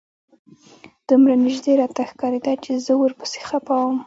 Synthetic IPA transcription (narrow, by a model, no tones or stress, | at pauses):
d̪̥umɾanɪʒd̪eɾɑt̪axkɑɾed̪at͡ʃezəwəɾpə̥se̥xapɑwəm